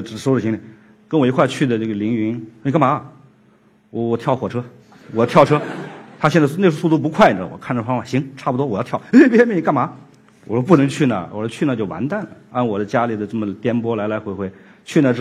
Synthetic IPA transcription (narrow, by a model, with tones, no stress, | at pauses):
ʈ͡ʂ̩˧˥˩ʂo˥ʊʈ͡ʂɕi˧˥ŋli˧˩ | kə˥nwe˧˥ɪxwa˥˧t͡ɕʰy˥˩d̪ə˩ʈ͡ʂə˥˩ɡə˩li˧˥ŋy˧˥n˧˩ka˥˩nma˧˥ | wɔ˧˩wɔ˨˩t̪ʰjɑ˥˩ʊxwɔ˨˩ʈ͡ʂʰɤ˥ | wɔ˨˩t̪ʰjɑ˥˩ʊʈ͡ʂʰɤ˥t̪ʰa˥ɕjɛ˥˧nt͡sne˥˧ʂ̬o˥su˥˧t̪u˥˩pu˧˥kʰwa˥˩ɪʈ͡ʂə˨wɔ̰˨˩kʰa˥˩nʈ͡ʂə˨˩fɑ˥ŋfwa˨˩ɕi˧˥ŋʈ͡ʂʰa˥˩pu˩t̪wɔ˥wɔ˨˩jt̪ʰɑ˥˩ʊe˥pʲɛ˥mɛ˥˩i˧˥ka˥˩nma˧˥ | wɔ˨˩ʈ͡ʂo˥p̬u˥˩nɤ˧˥ŋt͡ɕʰy˥˩nə̰˨˩wɔ̰˨˩ʂt͡ɕʰy˥˩nə˨˩t͡ɕjo˥˩ʊwa̰˧˥nt̪a˥˩nlə̰˩a˥˩nwɔ˨˩d̪ə˦t͡ɕja˥li˨˩d̪ə˦ʈ͡ʂɤ˥˩mə˩t̪jɛ˥npwɔ˥la˧˥ɪla˧˥ɪxwe˧˥xwe˧˥ɪt͡ɕʰy˥˧nə˧ʈ͡ʂ